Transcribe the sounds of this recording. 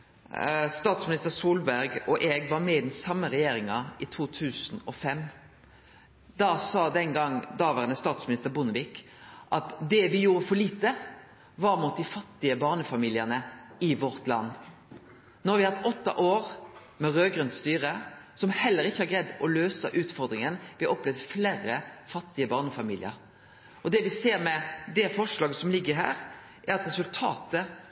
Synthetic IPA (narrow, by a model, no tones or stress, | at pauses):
st̪ɑːt̪smɪnɪst̪əɾsuːlbæɾɡɔʔɛːɡʋɑɾmɛɪd̪n̩sɑmːəɾɛjeːɾɪŋɑɪt̪ʰuːt̪ʰʉːsn̩ɔfɛm | d̪ɑsɑːd̪ɛŋɡɑŋd̪ɑːʋæʁnəst̪ɑːt̪smɪnɪst̪əʁbʊnəʋɪk | ʔɑt̪d̪ɛʋɪjuːɾəfɔɭiːt̪ə | ʋɑɾmʊt̪̚d̪ɪfɑt̪ːɪəbɑːʁnəfɑmiːlɪənəɪʋɔɾt̪lɑ̰nː | nɔɾʋɪɑɑt̪ːɔt̪ːɑ̰ʔoːɾ | mɛɾøːɡɾʉnt̪st̪yːʁəsɔmhɛlːəɾɪçːəhɑɾɡʁɛd̪ːɔløːsəʔʉːt̪fɔɾd̪ɾɪŋənʋɪhɑʔɔplɛʋd̪fleːɾəfɑt̪ːɪəbɑːʁnəfɑmḭːlɪ̰ə̰ɾ | ɔd̪ɛʋɪseːɾmɛd̪ɛfɔʂlɑːɡəsɔmlɪɡːəɾɦæ̰ːɾ | ʔæɾɑt̪ɾɛsʉlt̪ʰɑ̰ːt̪ə